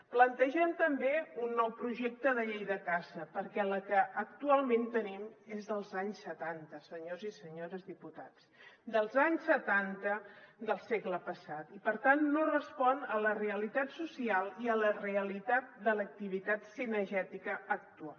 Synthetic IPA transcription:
plənt̪əʒɛmt̪əmbeunːɔwpɾuʒek̚t̪əðəʎejðəkazəpəɾkɛləkəʔːk̚t̪ualˠmẽnt̪ənimezðəlˠzaɲsːət̪ant̪əsəɲozisəɲoɾəzðiput̪at͡s | d̪əlˠzaɲsət̪ant̪əd̪əlˠseɡləpəsat̪ipəɾt̪anːorəspɔnələreəlit̪at̪susialˠiələreəlit̪at̪̚d̪ələk̚t̪iβit̪at̪sinəʒɛt̪ikəːk̚t̪ua

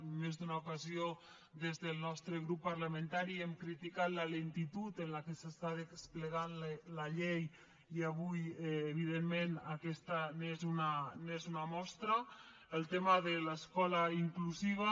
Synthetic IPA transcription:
mezðunaukazio | ðezðəlˠnɔst̪ɾəɣɾupːaɾləmẽnt̪aɾiɛmkɾit̪ikat̪lalent̪it̪ut̪ənlakesəst̪aðespləɣanllaʎej | iaβujːβ̞iðemmenakɛst̪anezunanezunamɔst̪ɾa | əlˠt̪emaðəlaskɔlaiŋkluziβ̞a

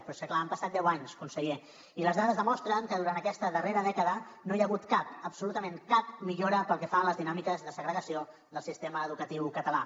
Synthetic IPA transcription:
pɾɔsəklaːmpəsat̪̚d̪ɛwaɲskunsəɣe | iləzðaðəzðəmɔst̪ɾəŋkəðuɾant̪əkɛst̪əðəreɾəðɛkəðənojəɣ̞ut̪kapəpsulut̪əmeŋkap̚miʎoɾəpəlˠkɛfanləzðinamikəzðəsəɣɾəɣəsio | ðəlˠsist̪eməːðukət̪iwkət̪əla

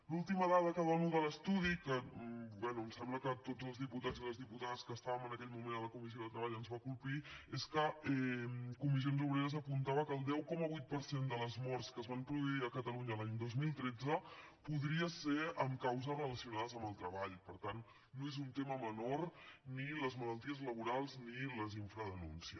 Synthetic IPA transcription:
lulˠt̪iməðaðəkəðɔnuðələst̪uð̞ikəbɛnuəmsɛmbləkət̪od͡zəlˠzðiput̪azələzðiput̪aðəskəst̪aβəmənəkɛʎmumend̪ələkumiz̬ioðət̪ɾəβaʎənzβakulˠpieskəɛkumiz̬ionzuβɾeɾəzəpunt̪aβəkəːlˠd̪ɛwkɔməβujt̪̚pəɾsend̪ələzmɔrskəzβampɾuðuiəkət̪əluɲəlaɲd̪ozmilˠt̪ɾɛd͡zə | puðɾiəseɾəmkawzərələsiunaðəzəməlˠt̪ɾəβaʎpəɾt̪anː | oezunt̪eməmənorniləzmələlˠt̪iəzləβuɾalˠzniləziɱfɾəðənṵnsiə

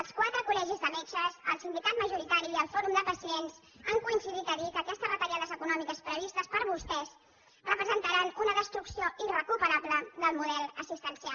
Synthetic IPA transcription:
əlˠskwat̪ɾəkulɛʒizðəmet͡ʃəzəlˠsind̪ikat̪məʒuɾit̪aɾiːəlˠfɔɾumd̪əpəsienzəŋkuinsiðit̪əɾit̪əkɛst̪əzβət̪əɾiaðəzəkunɔmikəspɾəβ̞ist̪əspəɾβust̪ɛz | rəpɾəzənt̪əɾanunəðəst̪ɾuksioirəkupəɾaβləðəlˠmuðɛlˠəsist̪ənsia

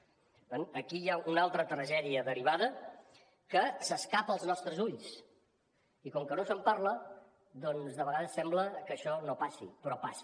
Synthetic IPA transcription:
ənəkijaunalˠt̪ɾət̪ɾəʒɛðiəðəɾiβaðə | kəsəskapəlˠznɔst̪ɾəzuʎs | ikɔŋkənosəmpaɾlə | d̪ɔnzðəβəɣaðəsːɛmbləkəʃɔnopasḭpɾɔpas

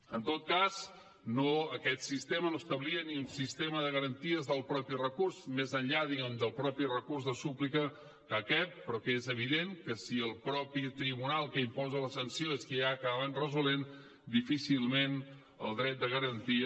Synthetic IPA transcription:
ənt̪ot̪̚kaz | noəkɛt̪sist̪emənost̪əβliəniunsist̪eməðəɣəɾənt̪iəzðəlˠpɾɔpirəkursmezənʎaðiɣɛmd̪əlˠpɾɔpirəkurzðəsuplikə | kakɛt̪̚pɾɔkezəβ̞iðeŋkəsiəlˠpɾɔpit̪ɾiβunalˠkəimpɔzələsənsioeskəjakaðaβanrəzulen | d̪ifisilˠmen | ə̰lˠd̪ɾɛt̪̚d̪əɣəɾənt̪iə

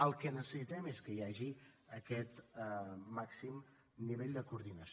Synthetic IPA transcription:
əlˠkənəsəsit̪ɛmeskəijaʒiəkɛt̪ | maksim | niβeʎʲd̪əkuɾðinəs

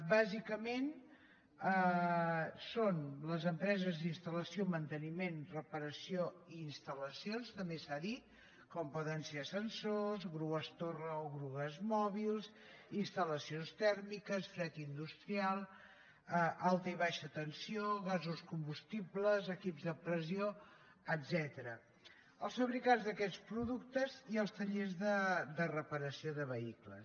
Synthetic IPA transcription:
bazikəmen | ə | sonləzəmpɾɛzəzðinst̪ələsiomənt̪ənimenrəpəɾəsioiːnst̪ələsionst̪əmbesaðit̪ | kɔmpɔðənsesənsozɣɾuɣəst̪orəoɣɾuɣəzmɔβ̞ilˠs | inst̪ələsionst̪ɛɾmikəsfɾɛt̪ind̪ust̪ɾialˠ | əʔalˠt̪əiβaʃət̪ənsioɣazuskumbust̪ibləzəkipzðəpɾəzio | əd̪zɛt̪əɾə | əlˠsfəβɾikand͡zzðəkɛt͡spɾuðuk̚t̪əziəlˠst̪əʎezðəd̪ərəpəɾəsioðəβəiklə̰s

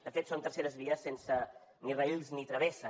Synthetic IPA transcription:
d̪əfet̪sont̪əɾseɾəzβiəsːensə | nirəilznit̪ɾəβ̞esə

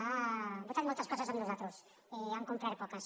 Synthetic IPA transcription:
abot̪aɾmowt̪askosazaβiðozat̪ɾos | eaŋkomp̪ɾaɾepokas

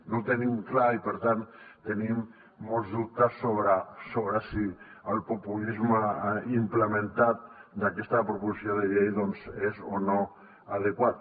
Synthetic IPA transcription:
not̪enimklaipeɾt̪ant̪enimː | olzðup̚t̪asːoβɾasoβɾasiəlpopulizmaimplemẽnt̪at̪̚d̪akest̪apɾopusjoðeʎejðonzezono | að̞ekwat̪̚

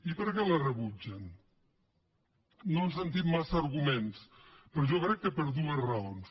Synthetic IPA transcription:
ipəɾkɛlərəβud͡ʒən | ons̬ənt̪imːasəɾɣumenspəɾɔʒɔkɾɛkːəpəɾðuəzrəons

